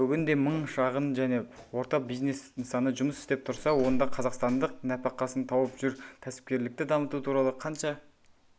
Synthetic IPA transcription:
bʏɡʲɪnd̪e̞məɴʃɑʁənʒæne̞ | wo̞ɾt̪ɑbijzne̞sɪŋsɑnəʒʊməsɪ̥st̪e̞p̚t̪ʰʊɾsɑwo̞nd̪ɑqʰɑzɑqst̪ɑnd̪əq̚næpɑqɑsənt̪ʰɑwəpʒ̥ʏɾt̪ʰæsɪ̥p̚kʲe̞ɾlɪk̚t̪ɪd̪ɑmət̪ut̪ʰuɾɑlˠəqʰɑnʃɑ

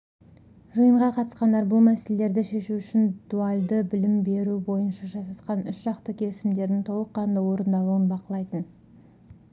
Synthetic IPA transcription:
ʒəjəɴʁɑqʰɑt̪ə̥sqɑnd̪ɑɾbʊlˠmæse̞lele̞ɾd̪ɪʃe̞ʃuʏʃɪnd̪̥ualʲd̪əbɪlɪmbe̞ɾubo̞jənʃɑʒɑsɑsqɑnʏsʒ̥ɑqt̪əkʲʰe̞lɪsɪmd̪e̞ɾd̪ɪŋt̪ʰo̞lˠəqːɑnd̪ɑwo̞ɾənd̪ɑlˠuənbɑqəlˠɑjt̪ən

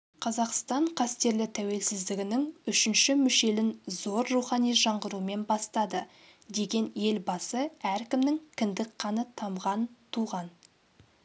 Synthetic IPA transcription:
qʰɑzɑqst̪ɑɴqʰɑst̪e̞ɾlɪt̪ʰæwe̞lsɪzd̪ɪɡʲɪnɪŋʏʃɪnʃɪmʏʃe̞lɪnzo̞ɾruχɑnijʒɑɴʁəɾuəme̞nbɑst̪ɑd̪ə | d̪e̞ɡʲe̞nje̞lbɑsəæɾkʲɪmnɪŋkʲʰɪnd̪ɪkqʰɑnət̪ʰɑmʁɑnt̪ʰuʁɑn

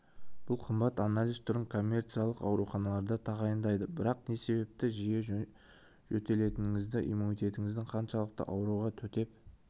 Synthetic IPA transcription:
b̥ʊlˠqʰəmbɑt̪analʲijzt̪ʰʊɾəɴkʰo̞mʲːe̞rt̪sɨjalˠəqɑ̰wɾuχɑnɑlˠɑɾd̪ɑt̪ʰɑʁɑjənd̪ɑjd̪əbɪɾɑqne̞se̞be̞p̚t̪ɪʒije̞ | ʒɵt̪e̞le̞t̪ɪnɪŋɪzd̪ɪʔḭjmunijt̪ʲe̞t̪ɪŋɪzd̪ɪŋqʰɑnʃɑlˠəq̚t̪ə̰ʔɑwɾuʁɑt̪ʰɵt̪e̞p

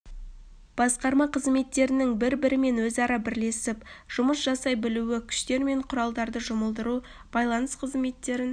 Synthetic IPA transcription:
b̥ɑsqɑɾmɑqʰəzme̞t̪ːe̞ɾɪnɪŋbɪɾbɪɾɪme̞nwɵzɑɾɑbɪɾle̞sɪpʒ̥ʊməsʒ̥ɑsɑjbɪluwɪkʲʰʏ̥ʃt̪e̞ɾme̞ɴqʰʊɾɑlˠd̪ɑɾd̪əʒʊməlˠd̪əɾu | b̥ɑjlˠɑnəsqʰəzme̞t̪ːe̞ɾɪn

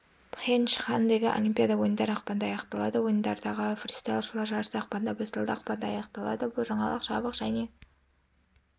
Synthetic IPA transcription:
pχenʃχand̪eɡʲɪʔo̞̰lʲimpʲjad̪ɑwo̞jənd̪ɑɾɑqpɑnd̪ɑːjɑqt̪ɑlˠɑd̪əwo̞jənd̪ɑɾd̪ɑʁəfrʲist̪alˠʃulˠɑɾʒɑɾəsəɑq̚pɑnd̪ɑbɑsd̪əlˠd̪əɑqpɑnd̪ɑɑjɑqt̪ɑlˠɑ̰d̪əbʊlˠʒɑɴɑlˠəqʃɑbəqʒ̥æne̞

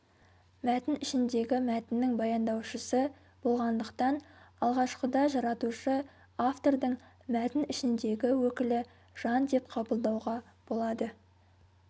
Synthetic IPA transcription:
mæt̪ɪnɪʃɪnd̪e̞ɡʲɪmæt̪ɪnːɪŋbɑjɑnd̪ɑwʃəsə | b̥o̞lˠʁɑnd̪əqt̪ɑnɑlˠʁɑʃqəd̪ɑʒɑɾɑt̪uʃə | aft̪o̞ɾd̪əɴ | mæt̪ɪnɪʃɪnd̪e̞ɡʲɪwɵkʲɪlɪ | ʒ̥ɑnd̪e̞pqʰɑbəlˠd̪ɑwʁɑ | b̥o̞lˠɑd̪ə

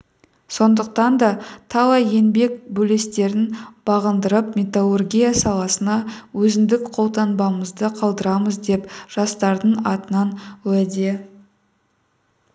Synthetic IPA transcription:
so̞nd̪əq̚t̪ɑnd̪ɑt̪ʰɑlˠɑje̞nbe̞kbɵle̞st̪e̞ɾɪnb̥ɑʁənd̪əɾəpmʲe̞t̪alˠorɡʲijasɑlˠɑsənɑwɵzɪnd̪ɪkqʰo̞lˠt̪ɑnbɑməzd̪əqʰɑlˠd̪əɾɑməzd̪e̞pʒ̥ɑst̪ɑɾd̪əɴɑt̪ənɑnwæd̪e̞

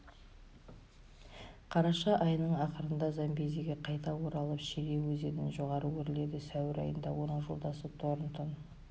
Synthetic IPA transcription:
qʰɑɾɑʃɑʔɑjnəɴɑqəɾənd̪ɑzɑmbe̞zeɡʲeqʰɑjt̪ɑwo̞ɾɑlˠəpʃeɾe̞wɵze̞nɪnʒo̞ʁɑɾəwɵɾɪle̞d̪ɪsæwɪɾɑ̰jənd̪ɑwo̞nəɴʒo̞lˠd̪ɑsət̪ʰoɾənt̪ʰən

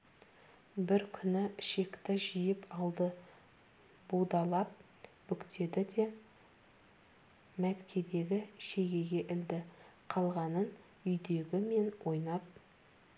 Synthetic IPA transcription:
bɪɾkʲʰʏnɪʃe̞kt̪ɪʒijɪpɑlˠd̪ə | bud̪ɑlˠɑp̚ | b̥ʏkt̪ʰe̞d̪ɪd̪e̞ | mæt̪kʲʰe̞d̪e̞ɡʲɪʃe̞ɡʲe̞ɡʲe̞ʔɪld̪ɪqʰɑlˠʁɑnən | ʏjd̪e̞ɡʲɪme̞nwʔo̞jnɑp̚

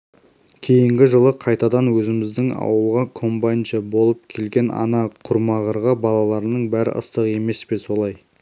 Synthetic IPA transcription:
kʲʰejɪŋɡʲɪʒəlˠəqʰɑjt̪ɑd̪ɑnwɵzɪmɪzd̪ɪŋɑ̰wəlˠʁɑkʰo̞mbajnʃəbo̞lˠəp̚kʲʰe̞lɡʲe̞nɑ̰nɑqʰʊɾmɑʁəɾʁɑbɑlˠɑlˠɑɾənəɴbæɾɪ̰ʔə̰st̪əʁe̞me̞spe̞so̞lˠɑj

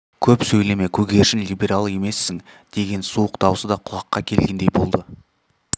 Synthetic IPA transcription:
kʲʰɵpsɵjle̞me̞kʲʰɵɡʲe̞ɾʃɪnlʲibʲe̞ɾalˠe̞me̞sːɪŋ | d̪̥e̞ɡʲe̞nsuəqd̪̥ɑwəsəd̪ɑqʰʊlˠɑqːɑkʲʰe̞lɡʲe̞nd̪e̞jbo̞lˠd̪ə

